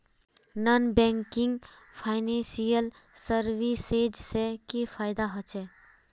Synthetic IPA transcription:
nɔnbɛ̃ːŋkɪ̃ŋɡ | pʰaːɪnẽnsijəl | səɾwiseːd͡ʒsekifʰaːjɪd̪aɦət͡ʃɛː

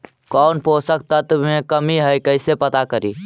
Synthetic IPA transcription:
kɔːnpoːsək̚t̪ət̪mẽkəmiɦəjkəɪsepət̪akəɾḭː

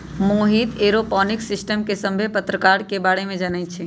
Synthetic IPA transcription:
moɦit̪eːɾopɔːnɪksɪsʈəmkesə̃mbʱepət̪ɾəkaːɾkebaːɽemẽd͡ʒənaj̪t͡ʃʰe

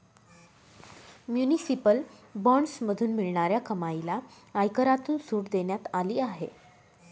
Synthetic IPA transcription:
mjunisipəlbɔɳɖsməd̪ʱuːnmiɭɳaɾjakəmajla | ajkəɾat̪uːnsuːʈd̪eɳjat̪aliːaɦḛ

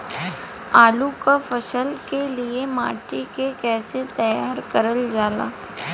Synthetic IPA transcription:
aːlukafɐʃəlkeliemaːʈikekɛːset̪ɐjaːɾkɐɾəld͡ʒaːla̰ː

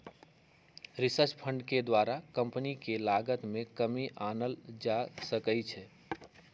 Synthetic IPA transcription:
ɾisət͡ʃpʰə̃ɳɖked̪waɾakə̃mpnikelaɡət̪mẽkəmiʔanəld͡ʒasəkəjt͡ʃʰɛ

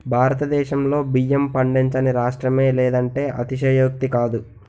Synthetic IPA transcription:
bʱaːɾɐt̪ɐd̪ɛːʃɐmlo̞ːbijɐmpɐɳɖiɲt͡ʃɐniɾaːʂʈɾɐme̞ːlɛːd̪ɐɳʈe̞ːʔɐt̪iʃɐjoːk̚t̪ikaːd̪u

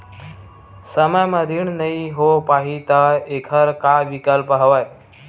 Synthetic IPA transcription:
səməjməd̪ʱiɳnəiɦopaɦit̪əekʰəɾkaʋikəlpəɦəʋaj

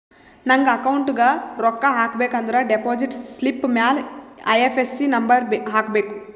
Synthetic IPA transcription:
nɐŋɡɐɐkɐwuɳʈɡaːɾɔkːaɦaːkbeːkɐnd̪uɾaːɖepoːd͡ʒiʈslipːmjaːlɐ̰jepʰesːinɐmbɐɾbɦaːkbeːku

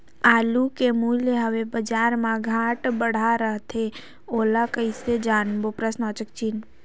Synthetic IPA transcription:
aːlukemuːljəɦəʋebəd͡ʒaːɾmãɡʱaːʈbəɽ̤aɾəɦt̪ʰe | oːlakəised͡ʒaːnbopɾəsnɔt͡ʃək̚t͡ʃiːn

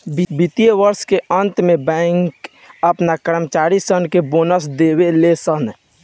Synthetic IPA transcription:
bibit̪ijeʋəɾskeə̃nt̪mẽbɛ̃ŋk | əpnakəɾəmt͡ʃaːɾisənkeboːnəsd̪eːwelesən

